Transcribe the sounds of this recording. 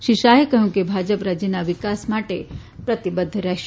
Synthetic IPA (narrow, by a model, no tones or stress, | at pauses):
ʃiʃaɦekəɦjũkebʱad͡ʒəpɾad͡ʒənaʋikasmaʈe | pɾət̪ibəd̪ʱːɾɛʃ